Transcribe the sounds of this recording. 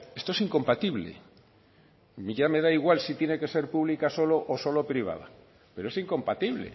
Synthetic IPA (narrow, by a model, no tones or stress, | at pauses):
e̞st̪oesiŋko̞mpat̪iβlḛ | miʝame̞ð̞aiɣwalsit̪je̞ne̞ke̞se̞ɾpuβlikaso̞loʔoso̞lo̞pɾiβ̞a̰ð̞a̰ | pe̞ɾoesiŋko̞mpat̪iβlḛ